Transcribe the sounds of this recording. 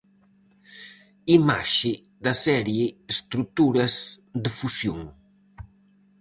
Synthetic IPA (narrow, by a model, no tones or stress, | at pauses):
ima̰ʃi | d̪asɛɾjiːst̪ɾut̪uɾɐzd̪əfusjoŋ